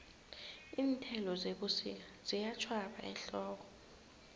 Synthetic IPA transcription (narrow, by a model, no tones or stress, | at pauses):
iːntʰɛlɔzeɓusḭkaz̥ijat͡ʃʰwaɓa̰ɛ̰nɬɔːk̬ɔ̥